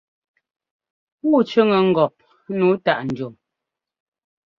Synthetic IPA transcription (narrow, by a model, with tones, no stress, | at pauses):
wu˦˨t͡ʃə˦ŋə˨ŋ̩˦ɡɔ˨p̚ | nuː˨˦ta˨ʔn̩˨d͡ʒo˨m